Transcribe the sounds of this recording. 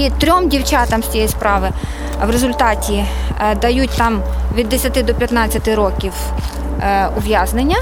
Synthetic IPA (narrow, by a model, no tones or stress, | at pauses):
it̪ɾʲɔmdʲiwt͡ʃɑt̪ɐmsʲt͡sʲijɛjspɾɑʋɪ | ʋɾezʊlʲt̪ɑtʲid̪ɐjut̚ʲt̪ɑmʋʲid̪ːesʲɐt̪ɪd̪ɔpʲjɐt̪nɑt͡sʲːɐt̪ɪɾɔkʲiw | ʊʋʲjaznɪnʲːɐ